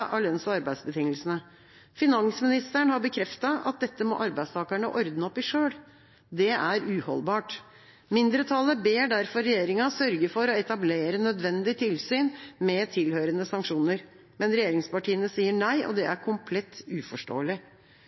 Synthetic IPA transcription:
ʔɑlœnsɑɾbæɪd̪sbət̪ʰɪŋːəlsənə | fɪnɑnsmɪnɪst̪əɳhɑɾbəkʰɾɛft̪ɑɑ̰t̪̚d̪ɛt̪ːəmɔ̰ːʔɑɾbæɪst̪ʰɑːkəɳəʔɔɾd̪nɔpɪʂøːɽ | d̪ɛæɾʉːhɔ̰lbɑːʈ | mɪnd̪ɾət̪ʰɑləbeːɖæɾfɔɾɾɛjeːɾɪŋɑsœɾɡəfɔɾɔɛt̪ɑbleːɾənœd̪ʋɛnd̪ɪt̪ʰɪlsyːnmɛt̪ʰɪlhøːɾənəsɑŋkʂuːnəɾ | mɛnɾɛjeːɾɪŋspɑʈiːənəsiːəɳæɪʔɔ̰d̪ɛæɾkʰʊmpʰlɛt̪ːʉːfɔʂʈo̰ːəlɪ

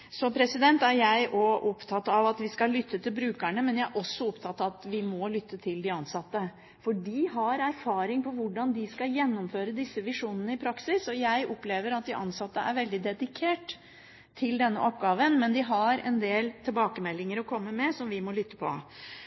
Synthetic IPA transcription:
sɔpʰɾɛsɪd̪ɛnt̪æɾjæɪʔɔʔɔpt̪ʰɑt̪ːɑʋɑt̪ʋɪskɑlʏt̪ːət̪ʰɪlbɾʉːkæɳəmɛnjæɪæɾʔɔsːɔɔpt̪ʰɑt̪ːɑt̪ʋɪmɔlʏt̪ːət̪ʰɪld̪ɪɑnsɑt̪ːə | fɔɖɪɦɑɾæɾfɑːɾɪŋpʰɔʋʊɖɑnd̪ɪskɑjɛnːɔmføːɾəd̪ɪsːəʋɪʂuːnənəɪpʰɾɑksɪsɔjæɪʔɔpleːʋəɾɑt̪̚d̪ɪʔɑnsɑt̪ːəʔæ̰ɾʋɛld̪ɪd̪ɛd̪ɪkʰeːʈ | t̪ʰːɪld̪ɛnːə̰ʔɔpɡɑːʋənmɛnd̪ɪɦɑɾɛ̰nd̪eːlt̪ʰɛlbɑːkəmɛlːɪŋəɾɔkʰɔmːəmɛsɔmʋɪmɔlʏt̪ːə̥pʰɔ̰

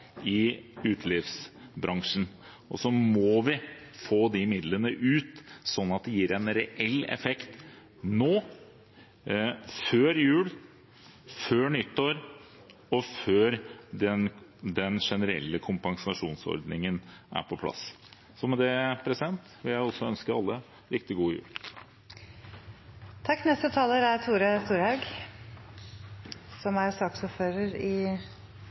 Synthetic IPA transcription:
ɪʉːt̪ʰlɪfsbɾɑŋʂn̩ | ɔsɔmɔʋɪfoːd̪ɪmɪd̪lənəʔʉːt̪sɔnːɑt̪̚d̪ɛjiːɾɛnɾɛʔɛlːɛ̰fɛkt̪ | noː | føːɾjʉːl | føːɳʏt̪ːoːɾ | ɔføːɾd̪ɛnd̪ɛnʂɛnəɾɛ̰lːəkʰʊmpɑŋsɑʂuːnsɔ̰ɾd̪nɪŋənʔæ̰ɾpʰɔpʰlɑ̰s | sɔmɛd̪ɛpʰɾɛsɪd̪ɛnt̪ʋɪljæɪɔsɔœnskəɑlːə | ɾɪkt̪ɪɡuːəjʉ̰ːl | t̪ʰɑkːnɛst̪ət̪ʰɑːləɾæɾt̪ʰuːɾəst̪uːɾhɑʉɡ | sɔmæɾsɑːksɔpføːɾəɾɪ

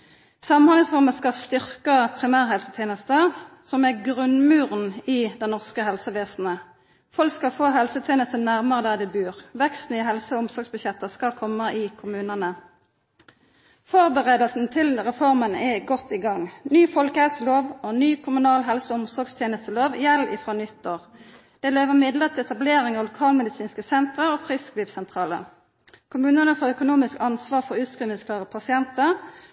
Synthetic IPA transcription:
sɑmnɑlɪŋsfɔʁməskɑst̪ʏʁkəpʰʁɪmæːʁɦɛlsət̪ʰeːnəst̪əsɔmæʁɡʁʉnmʉːʁnɪd̪ɛnnɔʁskəhɛlsəʋeːsn̩ə | fɔlkskɑfoːɦɛlsət̪ʰjeːnəst̪ənæʁməʁəd̪ɑd̪ɛbʉːʁʋɛkst̪n̩ɪɦɛlsəʊmsɔʁɡsbʉɕjɛt̪ːəskɑkʰɔmːəʔɪkʰʊmʉːnənə | fɔʁbəʁeːd̪əlsn̩t̪ʰɪlʁɛfɔʁmənɛɡɔt̪ːiɡɑŋnyːfɔlkəhɛlsəloːʋonyːkʰʊmʉnɑːlɦɛlsəʊmsɔʁɡst̪ʰjeːnəst̪əloːʋjɛlɪ̰fʁoːnʏt̪ːoːʁ | d̪̥ɛːleːʋəʁmɪd̪ləʁt̪ʰɪɛt̪ɑbleːʁɪŋɑːʋlʊkʰɑːlmɛd̪ɪsiːnskəsɛnt̪ʁəʁoːfʁɪskliːʋsɛnt̪ʰʁɑːlə̰ | kʰʊmʉːnənəfɔʁœkʊnuːmɪskɑnsʋɑːʁfɔʁʉːt̪skʁiːʋənskʰlɑːʁəpʰɑsɪɛnt̪əʁ

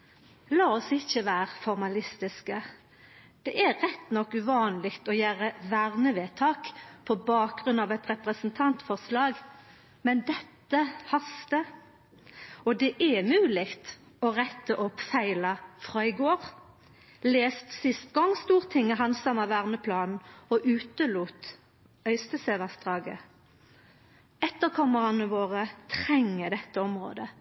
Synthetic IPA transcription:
lɑːɔsɪçːəʋæːʁəfɔʁmɑlɪst̪ɪskə | d̪̥ɛʔæʁɛt̪ːnɔkːʉʋɑːnlɪkt̪ɔjæːɾəʋæʁnəʋeːt̪ʰɑːkpʰɔbɑːk̚ɡʁʉnɑʋɛt̪ʁɛpʁəsnt̪ʰɑnt̪fɔʁslɑːɡ | mɛnd̪ɛt̪ːəhɑst̪ə | ɔd̪ɛʔɛmʉːlɪɡt̪ | ɔʁɛt̪ːəʔɔpːfæɪlɑfʁɑːɪɡoːʁ | leːst̪sɪst̪ɡɔŋːst̪uːʁt̪ʰɪŋːəɦɑnsɑmɑʋæːʁnəpʰlɑːnn̩ɔʔʉːt̪əluːt̪ | œʏst̪əseːʋæsd̪ʁɑːɡə̰ | ɛt̪ːəʁkʰɔməʁɑnəʋoːʁət̪ʰʁɛŋːəd̪ɛt̪ːəɔmʁo̰ːd̪ə

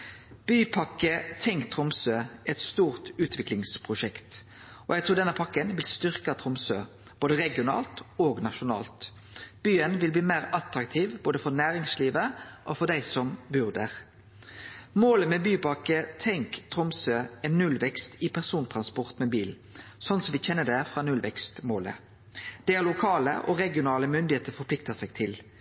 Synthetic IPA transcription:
b̥yːpʰɑkːət̪ʰɛŋkt̪ʰʁʊmsøːɛt̪st̪uːʁt̪ʉːt̪ʰʋɪklɪŋspʰʁʊʃɛkt̪ | ɔjæɡ̚t̪ɾuːd̪ɛnːəpʰɑkːənʋɪlst̪ʏʁkɑt̪ʰʁʊmsøː | b̥oːd̪əʁɛɡɪʊnɑ̰ːlt̪oːɡnɑʃʊnɑ̰ːlt̪ | b̥yːənʋɪlbliːmæːʁɑt̪ɾɑkt̪ʰiːʋboːd̪əfɔʁnæːʁɪŋsliːʋəʔɔfɔʁd̪æɪsɔmbʉʁd̪əʁ | moːləmɛbyːpɑkət̪ʰɛŋkt̪ʰɾʊmsøːɛnːʉlʋɛkst̪ɪpʰæʁsuːnt̪ʰʁɑnspɔʁt̪mɛːbiːl | sɔnsɔmʋɪçɛnːəd̪ɛfʁɑnʉlʋɛkst̪moːlə̰ | d̪̥ɛæʁlʊkʰɑːlə̰ʔɔɾɛɡɪʊnɑːləmʏnd̪ɪheːt̪əfɔɾpʰlɪk̚t̪ɑsɛɡt̪ʰɪl

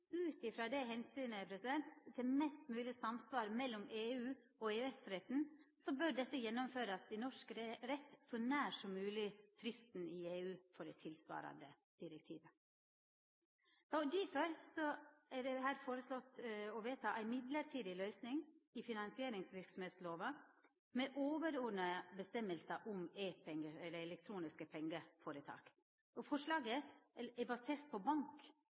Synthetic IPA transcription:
ʉːt̪ɪfɾɑːd̪ɛɦɛnsyːnəpʰɾɛsɪd̪ɛnt̪t̪ʰɪmɛst̪mʉːlɪsɑmsʋɑːɾmɛlːɔmeːʉː | ɔeːɛsɾɛt̪nsɔbœɾɖɛt̪ːəjɛnːɔmføːɾəɑt̪̚d̪ɛnɔʂkɾɛt̪ːsɔnæːʂɔmːʉːlɪfɾɪst̪n̩ɪeːʉːfɔɖɛt̪ʰɪlsʋɑ̰ːɾɑ̰nd̪ə | d̪̥ɪɾək̚t̪ʰḭːʋə | ɑd̪ɪføɾsɔɛɖɛɦæːɾfoːɾəslɔt̪ːɔʋeːt̪ʰɑːʔæɪmɪd̪ləɾʈʰiːd̪ɪlœʏsnɪŋɪfɪnɑnsɪeːɾɪŋsʋɪɾksɔmheːt̪sloːʋɑ | mɛʔoːʋəɾɔnəbəst̪ɛmːəlsəʔʊmeːpʰɛŋɡəɛd̪əɛlɛkt̪ʰɾuːnɪskəpʰɛŋɡəfoːɾət̪ʰɑ̰ːk | ɔfɔʂlɑːɡəɛbɑseːɾt̪̚pʰɔbɑŋk

